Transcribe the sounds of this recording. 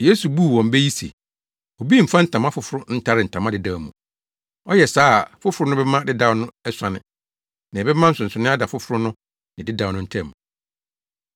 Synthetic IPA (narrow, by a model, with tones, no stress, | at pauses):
jeː˦su˨bu˦˨wɔ̃˨m̩˦be˦ji˦sḛ˨ | o˨bi˦m̩˨fã˦n̩˦tʰã˨mã˦fʊ˦fʊ˨ɾʊ˦n̩˦tʰa˦ɾɪ˨n̩˨tʰã˨mã˦dɪ˨da˨mũ˨ | ɔ˦jɛ˨saː˦˨fʊ˦fʊ˨ɾʊ˦nʊ̃˦bɛ˦mã˦dɪ˦da˦nʊ̃˦ɛ˦sa˨nɪ̰̃˨ | nɪ̃˨bɛ˦mã˦n̩˦sʊ̃˨sʊ˨nɪ̃˦a˦da˨fʊ˦fʊ˨ɾʊ˦nʊ̃˦ | nɪ̃˨dɪ˦dã˨˦nʊ̃˦n̩˦tʰɛ̃˦˨m˨